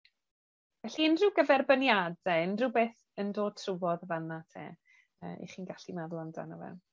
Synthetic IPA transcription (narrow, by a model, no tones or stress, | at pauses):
vɛɬiɪndrɪwɡəvɛrbənjadɛɪndrɪbeːθ | əndoːd̥̚tʰrʊwɔðəvanatʰḛː | ə̰ʔḭχiːnɡaɬinavlˠanda̰nɔvɛ̰n